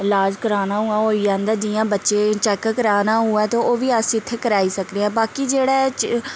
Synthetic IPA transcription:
laːd͡ʒkəɾaːnaːɦuːãːɦoːid͡ʒãːnd̪aːd͡ʒiːjãːbətːʃeːt͡ʃɛːkkəɾaːnaːɦuɛːt̪õoːʋiːəsɪt̪ʰːeːkəɾaːiːsəkd̪eːɛ̃ːbaːkiːd͡ʒeːɽaːt͡ʃ

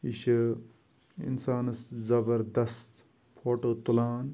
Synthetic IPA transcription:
iʃɐ | ḭnsaːnɐszɐbɐɾd̪ɐst̪ | pʰoːʈoːt̪ulaːn

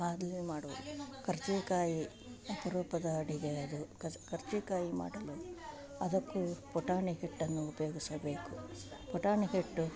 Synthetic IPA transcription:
aːd̪limaːɽulukɐɾt͡ʃɛkaːji | ɐpɐɾɔːpɐd̪ɐɐɽiɡeɐd̪ukʰɐɾt͡ʃekaːjima̰ːɽɐlu | ɐd̪ɐkːupɔʈaːɳiɦiʈːɐnːuːpɐjoːɡisɐbe̞ːkupɔʈaːɳiɦiʈːu

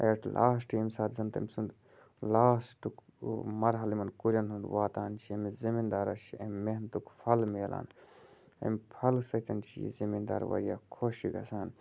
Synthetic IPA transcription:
eʈlʔa̰ːsʈiːmsaːt̪zɐnt̪ɐ̰mʲsund̪ | laːsʈuk | mɐɾɦɐlimɐnkuɾʲɐnɦund̪ʋaːt̪aːnt͡ʃʰiɐmizimind̪aːɾɐt͡ʃʰiɐmmeɦnt̪ukpʰɐlmeːla̰ːn | ɐ̰mpʰɐlsɐt̪ɐnt͡ʃʰḭjḭzimind̪a̰ːɾʋɐ̰ɾijaːkʰoʃiɡɐ̰saːn

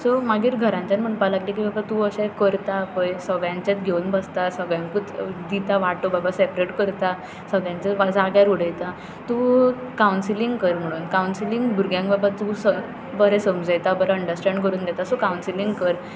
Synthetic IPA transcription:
sɔmaɡiːɾɡʱəɾãɲt͡ɕanm̤əɳpalaɡlik̬ibabat̪uəɕɛ̃kəɾt̪apəjsəɡjãɲt͡ɕat̪ɡʱeunbəst̪asəɡɭjãŋkut̪d̪it̪aʋaʈobabasepɾeʈkəɾt̪a | səɡɭjãɲt͡səʋad͡zaɡjaɾuɽəjt̪a | t̪ũːkaunsiliŋɡkəɾm̤əɽ̃uːnkawnsiliŋɡbʱuɾɡjãŋɡbabat̪usə | bəɾɛsəmd͡zəjt̪abəɾɛəɳɖəɾsʈɛ̃ɳɖkəɾuːnd̪ɛt̪asɔkaunsiliŋɡkəɾ

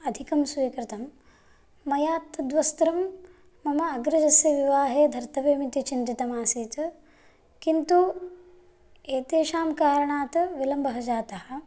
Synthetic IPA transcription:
ɐd̪ʱikɐmsujɐkɾit̪ɐmː | ɐjaːt̪ːɐd̪ʋɐst̪ɾɐmː | ɐmɐɐɡɾɐd͡ʒɐsjɐʋiʋaːɦeːd̪ʱɐɾt̪ɐʋeːmit̪it͡ʃind̪it̪ɐmaːsiːt̪ɐ | kint̪u | eːt̪eːʃaːmkaːɾɐɳaːt̪ɐʋilɐmbɐɦɐd͡ʒaːt̪ɐhɐ̆

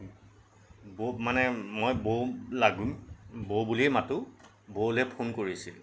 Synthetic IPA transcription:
bomanɛmojbolaɡumbobuliɛmatʊ | bolɛpʰonkoɹisil

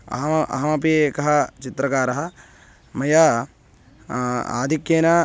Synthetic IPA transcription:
ɐ̰ɦɐɐ̰ɦɐmɐpiekɐɦɐt͡ʃit̪ɾɐkaːɾɐɦɐ | mɐjaː | a̰ːd̪ʱikjeːnɐ

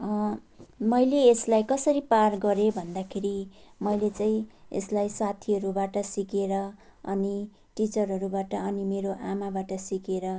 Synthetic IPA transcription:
ʌ | mʌjleːslajkʌsʌɾiparɡʌɾebʱʌnd̪akʰeɾimʌjlet͡saĩḛslajsat̪ʰiɦʌɾubaʈʌsikeɾʌ | ʌ̰ni | ʈit͡sʌrɦʌɾubaʈʌʌnimeɾoʔamabaʈʌsikeɾʌ

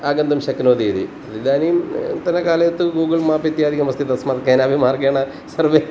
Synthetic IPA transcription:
aːɡɐnd̪ɐmʃɐkːnoːd̪iːd̪i | ɐd̪id̪aːnijmt̪ɐnɐkaːlɐjɐt̪ːuɡuːɡɐlmaːpit̪jaːd̪ikɐmɐst̪ʰit̪ɐsmaːt̪kɐːnaːbimaːɾɡeːɳɐ | sɐɾʋeː

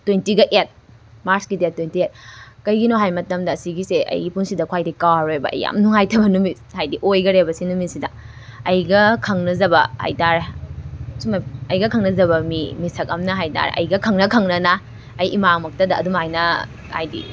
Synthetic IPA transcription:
twentiɡɐʔet̚ | maɾskidet̚tːwentiet̚kɐjɡinoɦajmɐtɐmdɐːsiɡiseʔɐ̰jɡipunsidɐkʰwajdikawɾojbɐ̰ɐ̰jːa̰mnuŋajtʰɐbɐnumishajdiʔojɡɐɾebɐsinumisidɐ | ɐjɡɐkʰɐŋnɐzɐbɐha̰jtaɾ | sumɐjɐjɡɐkʰɐŋnɐzɐbɐmḭmisɐk̚ɐmnɐɦajta̰ɾɐ̰jɡɐkʰɐŋnɐkʰɐŋnɐnɐː | jʔimamɐk̚tɐdɐɐdumajnɐ | hajdḭ

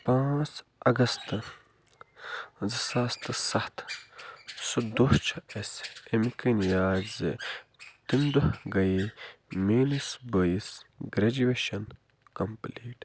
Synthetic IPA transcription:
pãːt͡s | ɐɡɐst̪ɨ | zɨsaːst̪ɨsɐht̪ | sud̪oht͡ʃʰɐesimkɐnijaːt̪zɨ̰t̪imd̪uhɡɐjimeːnisbəisɡɾɐd͡ʒueʃɐn | kɐmpliːʈ

